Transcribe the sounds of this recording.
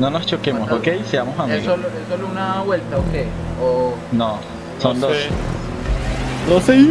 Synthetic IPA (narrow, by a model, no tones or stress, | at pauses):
nonost͡ʃokemmosokejseamo̞samiɣoloesolounaβwe̞lt̪aokej | ono | sond̪os | d̪ose